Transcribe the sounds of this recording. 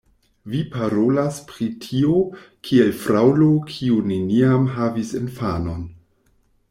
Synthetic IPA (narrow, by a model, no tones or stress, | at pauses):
vipaɾolaspɾitʰio̞kʰielfɾawlokʰiuneniamɦavisḛnfano̞n